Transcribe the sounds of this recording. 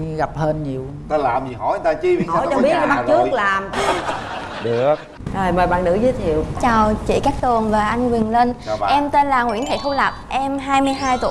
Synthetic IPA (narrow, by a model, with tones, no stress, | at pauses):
ɣa˨˩p̚həː˧nɲi˨˩əw | t̪a˧laː˨˩mzi˨˩hɔ̰˨˩˦j̪aː˧t͡ɕi˧˦˨ht͡ɕɔ˧˩ɓt̚a˧ma˦˧˦t͡ɕɨ˦˥ək̚laː˨˩mi˧ | ɗɨ˨˩ək̚ | zəː˨˩jməː˨˩jɓa̰ː˧˨nɨ̰˧˥zɨ˧˨˦t̪ʰi˨əwt͡ɕaː˨˩wt͡ɕḭ˧˩kaː˦˥k̚t̪ɨ˨˩əŋvaː˨˩ʔa˧jŋ̟wï˨˩ŋle˧n˧ʔɛ˧mt̪e˧nlaː˨˩ŋwi˧˥ənt̪ʰḛ˧˩t̪ʰu˧la˨˩p̚ʔɛ˧mɦaː˧jmɨ˧əjɦaː˧jt̪ṵ˧˨